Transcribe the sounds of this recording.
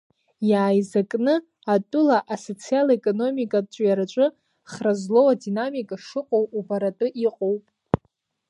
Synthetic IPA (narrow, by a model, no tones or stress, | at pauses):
jaːjzakʼnɨ | atʼʊlaʔaso̞t͡sʰialekʼo̞no̞mikʼadt͡ʃʷʼjaɾat͡ʃʷʼʊ | χrazlo̞wadinamikʼaʂɨqʷʼowubaɾatʼʊʔiqʼowpʼ